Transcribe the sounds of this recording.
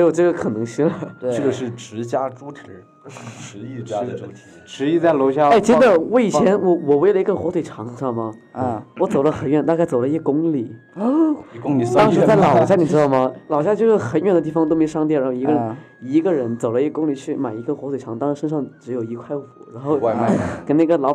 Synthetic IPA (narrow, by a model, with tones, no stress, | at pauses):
jo˨˩ʊʈ͡ʂɤ˥˩ɡə˩kʰɤ˨˩nɤ˧˥ŋɕi˥ŋlə˧t̪we˧ʈ͡ʂɡə˩ʂɻ̩˥˩ʈ͡ʂɻ̩˧˥t͡ɕja˥ʈ͡ʂu˥t̪ʰi˨˩˥ | ʈ͡ʂɻ̩˧˥i˥˧˥u˥t̪ʰi˨˩ʈ͡ʂʰɻ̩˧˥i˥˧t͡sa˥˩ɪlo˧˥ʊɕja˥˧˩ʈ͡ʂə˥d̪ə˨˩wɔ˧˥i˨˩t͡ɕʰjɛ˧˥nwɔ˧˩wɔ˨˩we˥˩ɪlə˧i˧˥ɡə˧xwɔ˧˥t̪ʰwe˨˩ɪʈ͡ʂʰɑ˧˥ŋ˧ʂɑ˥˩ŋmɐ˩˧wɔ˧˥t͡so˨˩ʊlə˦xə˨˩nɥɛ˥˩nt̪a˥˧ka˥˩ɪt͡so˨˩ʊlə˧i˥ɡə˩kʊ˥ŋli˨˩˧ | kʊ˥ŋi˨˧t̪ɑŋ˥ŋʂɻ̩˧˥t͡sa˥˩ɪlɑ˨˩ʊɕja˥ni˨˩ʈ͡ʂɻ̩˥d̪ɑ˥˩ʊmɐ˩lɑ˨˩ʊɕja˥t͡ɕjo˥˧ʊʂɻ̩˥˩xə˧˥nɥɛ˥˩nd̪t̪i˥˩fɑ˧ŋt̪o˥m˧˥˨ʂɑ˥t̪̬jɻa˧˥xo˥˩˧i˧˥ɡə˧ɻə˧n | i˧˥ɡə˧ɻə˧˥nt͡so˨˩ʊlə˦i˥ɡə˧kʊ˥ŋli˨˩t͡ɕʰy˥˩ma˨˩ɪi˧˥ɡə˧xwt̪wʈ͡ʂʰɑ˧˥ŋt̪ɑ˥ŋʂɻ̩˧˥ʂə˥nʂɑ˥˩ŋʈ͡ʂɻ̩˧˥jo˨˩ʊi˧˥kʰwa˥˩ɪxṵ˨˩˦ɻa˧˥nxo˥˩ʊ˥˧˥kə˨˩na˥˩ɡə˩lɑ˧˥ʊ